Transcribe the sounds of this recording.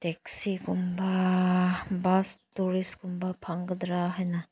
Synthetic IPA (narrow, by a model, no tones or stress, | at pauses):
tɛksikumba | bastuɾiskumbapʰaŋɡəd̪ɾaɦajna